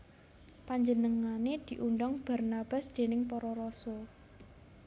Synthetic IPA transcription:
paɲd͡ʒənəŋaned̪̥i̤ʔuɳɖɔŋb̥a̤rnab̥a̤sd̪̥e̤nɪŋpɔɾɔɾɔsɔ

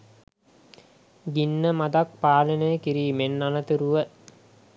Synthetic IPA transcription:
ɡinːəmad̪ak̚paːlənəjəkiɾiːmenːanət̪iɾuʋə

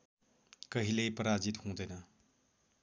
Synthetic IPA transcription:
kʌɦilejpʌɾad͡ʒit̪hũd̪ʌjnɐ

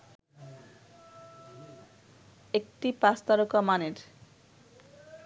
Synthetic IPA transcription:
ek̚ʈipast̪aɾokamaneɾ

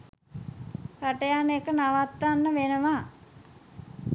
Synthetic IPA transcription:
kaʈəjanekənaʋat̪ːanːəʋenəʋa

